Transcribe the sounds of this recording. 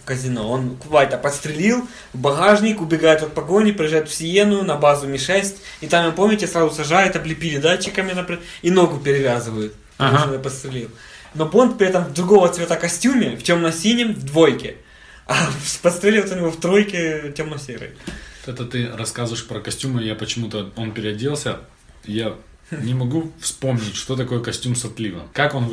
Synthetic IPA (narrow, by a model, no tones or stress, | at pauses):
kəzʲɪno̞onkʊvajʲt̪ɐpɐt̪st̪ɾʲɪlʲilˠ | vbɐɣaʐnʲɪkʊbʲɪɡajɪt̪ɐt̪̚pɐɡo̞nʲɪpɾʲɪjɪʐajʊt̪fsʲɪjenʊjʊnɐbazʊmʲɪʂɛsʲtʲit̪amjompo̞mʲnʲɪtʲɪsɾazʊsɐʐajɪt̪ɐblʲɪpʲɪɾʲɪd̪at͡ɕːɪkəmʲɪnapɾʲɪino̞ɡʊpʲɪɾʲɪvʲazɨvəjʊt̪ | p̪nəpət̪st̪ɾʲɪlʲilˠ | no̞bo̞nt̪̚pɾʲɪɛt̪ɐmvd̪ɾʊɡo̞vət̪svʲet̪akɐsʲtʲumʲɪftʲomnɐsʲinʲɪmvd̪vojkʲɪ | ɐfspɐst̪ɾʲelʲɪvot̪onʲɪvoft̪ɾo̞jkʲɪtʲomnɐsʲeɾə̰jt̪ɛt̪ət̪ɨrɐskazvəɪʂpɾəkɐsʲtʲuməjapət͡ɕɪmut̪əo̞npʲɪɾʲɪɐdʲilˠsʲə | ja | nʲɪmɐɡufspo̞mnʲɪtʲʂt̪o̞t̪ɐko̞jəkɐsʲtʲumsɐt̪lʲivəkako̞n